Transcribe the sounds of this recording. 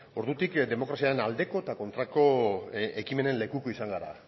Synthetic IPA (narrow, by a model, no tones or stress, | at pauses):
o̞ɾðut̪ikd̪e̞mo̞kɾasiaɾe̞nald̪e̞ko̞et̪ako̞nt̪ɾako̞ekime̞ne̞nle̞kuko̞isaŋɡaɾa̰